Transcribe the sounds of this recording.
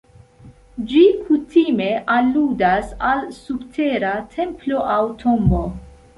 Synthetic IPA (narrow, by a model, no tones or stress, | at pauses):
d͡ʒikʰutime̞ʔaludasalsuktʰe̞ɾatʰe̞mplo̞ʔawtʰombo̞